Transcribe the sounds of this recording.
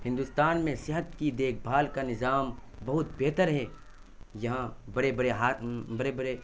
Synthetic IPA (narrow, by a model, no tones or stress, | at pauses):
hɪ̃nd̪ust̪aːnmẽsɪɦət̪kid̪eːk̚ʰbʱaːlkanɪzaːmbɐɦʊt̪beːt̪əɾɦɛ | jɐɦãbɐɽebɐɽeɦaːbɐɾebɐɾe